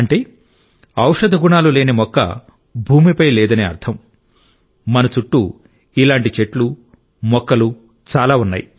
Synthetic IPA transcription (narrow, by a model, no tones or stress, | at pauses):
ɐɳʈe̞ː | ɐwʂɐd̪ʱɐɡuɳaːluleːnimɔkːɐ̰ | bʱuːmipɐjlɛːd̪ɐneːɐ̰ɾt̪ʰɐm | mɐnɐt͡ʃuʈːu | ilaːɳʈit͡ʃe̞ʈlu | mɔkːɐlu | t͡ʃaːlaːunːa̰ːji